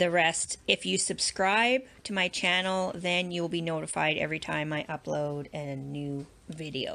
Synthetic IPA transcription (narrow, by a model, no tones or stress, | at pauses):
ðɨɹɛstɨfjɨsɨb̥skɹaɪb̚tʰɨmaɪt͡ʃʰænl̩ˠðɨ̃njulˠbinoʊɾɨfa̰ɪɾɛ̰vɹitʰãɪ̃maɪʔʌpʰloʊʊɾɨɨnʉ | vɪɾḭo̰ʊ